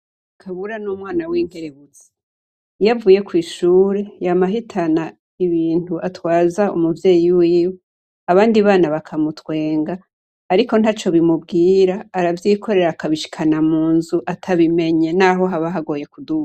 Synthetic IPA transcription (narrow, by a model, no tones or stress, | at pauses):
akʰaβuɾanuːmwaːnawiːŋ̥he̞ɾeβut͡se̥ | javuːje̞kwiːʃuːɾe̞jamaɦitʰana | iβiːntuʔatwaːzaṵmuvje̞ːjiwiːwo | aβaːndiβaːnaβakʰamutwe̞ːŋɡaː | ɾiko̞n̥hat͡ʃo̞βimubɡiːɾaːɾavjiko̞ɾe̞ɾakaβiʃi̥kʰanamuːnzuʔatʰaβime̞ɲe̞naːɦo̞ɦaβaɦaɡo̞ːje̞kudua